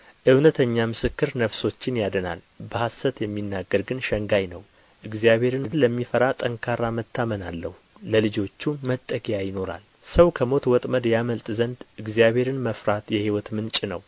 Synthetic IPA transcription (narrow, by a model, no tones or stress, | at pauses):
ʔɨwnət̪ʰəɲːamɨsɨkːɨɾnəfso̞t͡ʃːɪnjad̪əna̰l | bəhasːət̪jɛmːinːaɡːəɾɡɨnʃəŋɡajnəw | ʔɨɡzijabhe̞ɾɨnləmːifəɾat̪ʼəŋkʰaɾamət̪ʰːamənalːəhuləlɨd͡ʒo̞t͡ʃːumət̪ʼːəkʼjajɪno̞ɾa̰l | səwkʰəmo̞t̪wɔt̪ʼməd̪jaməlt̪ʼzənd̪ɨɡzijabʱe̞ɾɨnməfɾat̪jɛhiwɔt̪mɨnt͡ʃʼɪnə̰w